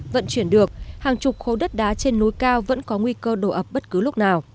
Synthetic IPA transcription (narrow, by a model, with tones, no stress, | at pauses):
və̰˧˨nt͡ɕwi˧˩ənɗɨ˨˩ək̚haː˨˩ŋt͡ɕʊ˨˩k͡p̚xo˨˦ɗə˦˥t̚ɗaː˨˦t͡ɕe˧nːo˨˦jkaː˧wvə̰˧˥nkɔ˨˦ŋwi˧kəː˧ɗo˧˩ʔə˨˩p̚ɓə˦˥t̚kɨ˨˦lʊ˦˥k͡p̚naː˨˩w